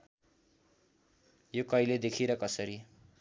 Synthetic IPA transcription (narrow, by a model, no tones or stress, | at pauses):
jokʌjled̪ekʰiɾʌkʌsʌɾi